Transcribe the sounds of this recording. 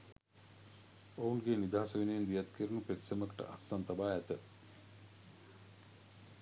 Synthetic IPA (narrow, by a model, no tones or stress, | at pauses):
ounɡenid̪aːɐsəʋinejend̪ijɐt̪kʰiɾunupet̪seməkə̥ʈə̰ʔɐ̰sːant̪abaːɛt̪ə